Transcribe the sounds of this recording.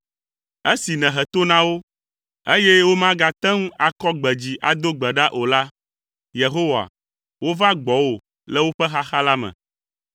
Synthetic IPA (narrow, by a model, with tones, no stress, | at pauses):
e˦si˨nɛ̃˨ɦɛ˨t̪o˦nã˦wo˦ | e˦jɛ˦wo˦mã˦ɡa˨t̪ɛ̃˦ŋũ˦a˨kɔ˦ɡ͡bɛ˨d͡ʑi˨ʔa˨d̪o˦ɡ͡bɛ˨ɖa˦ʔo˨la˦ | je˨ɦo˦wa̰˨ | wo˦va˦ɡ͡bɔ˨wo˨ | lɛ˦wo˦ɸɛ˦ɦa˦xa˦la˦mɛ̰̃˨